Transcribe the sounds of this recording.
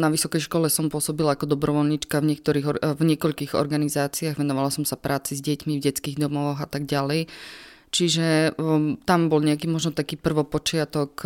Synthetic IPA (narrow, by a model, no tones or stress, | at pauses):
naʋisɔkɛjʃkɔlɛsɔmpʊɔsɔbilaakɔd̪ɔbɾɔʋɔʎɲit͡ʃkavɲɪɛk̚t̪ɔɾiːɣvɲɪɛkɔʎkiːɣɔ̰ɾɡanizaːt͡siaːɣʋɛnɔʋalasɔmsapɾʔaːt͡sizɟɛcmivɟɛt͡skiːɣd̪ɔmɔxat̪aɡ̚ɟalɛj | t͡ʃiʒɛ | t̪ambɔlɲɛakiːmɔʒnɔt̪akiːpr̩ʋɔpɔt͡ʃɪat̪ɔk